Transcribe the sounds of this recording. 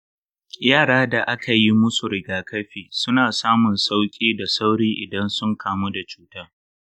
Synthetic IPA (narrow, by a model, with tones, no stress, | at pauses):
jaː˦˨ɽaː˦da˨ʔa˦ka˨ji˦mʊ˦su˨ɽɪ˨ɡaː˦kɐ˦ɸiː˨sʊ˦naː˨saː˦mʊ˨nsa˦wkʲʼiː˦da˨sa˦wɽiː˦ʔɪ˨dɐ˦nsʊ˦ŋkʰaː˦mu˦da˨t͡ʃuː˦taː˦